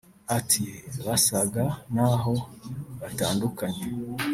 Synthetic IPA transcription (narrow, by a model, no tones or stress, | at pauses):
atʰiβasaɡanaɦo̞βataːndukaɲe